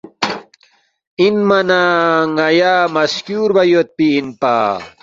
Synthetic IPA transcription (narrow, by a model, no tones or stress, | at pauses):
inmɐnaːŋɐjaːmɐskjuːɾbɐjot̪̚piːnpa̰ː